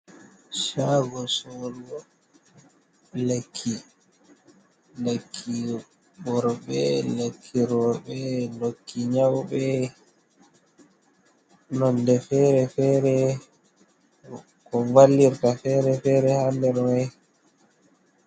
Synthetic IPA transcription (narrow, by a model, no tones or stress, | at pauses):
ʃaɡɔsɔlɔ | lekʰːi | lekʰːi | ɓɔɾɓɛlekʰːiɾɔɓɛlokʰːiɲawɓɛ | nɔndɛfɛːɾɛfɛːɾɛ | kɔvalːiɾtafɛːɾɛfɛːɾɛhandɛɾɔnɛ